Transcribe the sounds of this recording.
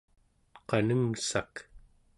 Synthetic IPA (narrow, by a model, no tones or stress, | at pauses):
qɑnəŋsak